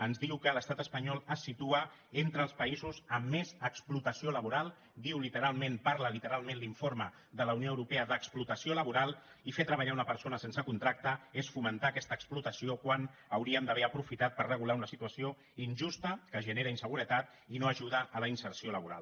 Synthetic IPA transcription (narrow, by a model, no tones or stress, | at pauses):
ənzðiwkələst̪at̪əspəɲɔlˠəsːit̪uə | ent̪ɾəːlˠspəizuzəmːezəksplut̪əsioləβuɾalˠ | d̪iwlit̪əɾalˠmẽnpaɾləlit̪əɾalˠmẽnliɱfoɾmə | ðələuwnioəwɾupeəðəksplut̪əsioləβuɾalˠ | ifet̪ɾəβ̞aʎaunəpəɾsonəsensəkunt̪ɾak̚t̪əesfumənt̪aːkɛst̪əksplut̪əsiokwanəwɾiəmd̪əβɛəpɾufit̪at̪̚pərrəɣulaunəsit̪uəsio | inʒust̪əkəʒəneɾəinsəɣuɾət̪at̪̚ | inoəʒuðəːləinsəɾsioləβuɾa̰lˠ